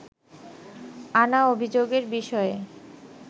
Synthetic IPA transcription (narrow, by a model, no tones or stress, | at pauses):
anaobʱid͡ʑoɡeɾbiʃɔe